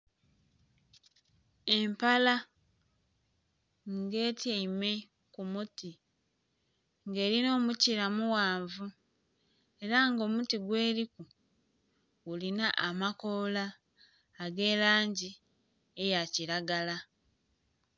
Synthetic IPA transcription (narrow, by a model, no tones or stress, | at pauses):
e̞mpala | ŋɡeːtaime̞ | kumuti | ŋɡe̞ːɾino̞ːmuciɾamuwaːɱvu | e̞ɾaŋɡo̞ːmutiɡwe̞ːɾiku | ulinaʔamako̞laː | ɡe̞ːlaːɲɟi | e̞jaciɾaɡala